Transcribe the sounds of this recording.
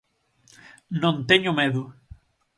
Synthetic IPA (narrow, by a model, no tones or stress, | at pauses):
nõnt̪eɲʊmeðʊ